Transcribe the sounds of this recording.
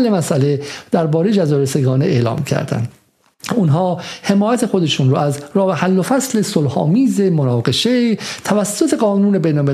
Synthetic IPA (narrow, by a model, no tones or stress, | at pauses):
lːe̞mæsʔæled̪̥æɾbɒːɾejed͡ʒæzɒːɾeseɡɒːneeːlɒ̰ːmcʰæ̰ɾd̪æ̰nd̪ | unɦɒːhe̞mɒːjæt̪ʰe̞xo̞d̪e̞ʃunɾoʔæzɾɒːbehælːofæsle̞solhɒ̰ːmiːze̞monɒːɡe̞ʃet̪ʰævæsːot̪ʰe̞ɡɒːnuːne̞bejnolme